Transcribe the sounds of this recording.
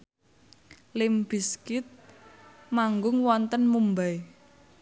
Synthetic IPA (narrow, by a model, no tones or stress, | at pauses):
lɪmb̥i̤skɪt̪̚ | maŋɡʊŋwɔnt̪ənmumbaj